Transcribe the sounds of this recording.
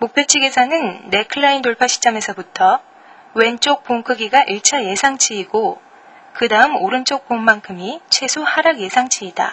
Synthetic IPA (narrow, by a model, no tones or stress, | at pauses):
mok̚pʰet͡ɕʰiɡe̞sʰanɯnːe̞kʰɯɭːaindoɭpʰaɕʰi̥t͡ɕ͈ʌme̞sʰʌbutʰʌ | we̞nt͡ɕ͈ok̚p͈oŋkʰɯɡiɡaʔiɭt͡ɕʰaje̞sʰaŋt͡ɕʰiːɡo | kɯdaɯmoɾɯnt͡ɕ͈ok̚p͈omːankʰɯmit͡ɕʰwe̞sʰohaɾaɡje̞sʰaŋt͡ɕʰiːda̰